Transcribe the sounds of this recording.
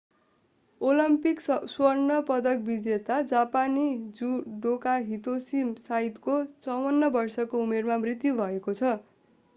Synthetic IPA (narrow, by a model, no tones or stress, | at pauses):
olʌmpikswʌrnʌpʌd̪ʌk̚bid͡zet̪ad͡zapanid͡zuɖokaɦit̪osimsaɦit̪kot͡sʌwʌnːʌbʌrsʌkoumermamrit̪jubʱʌekot͡sʰʌ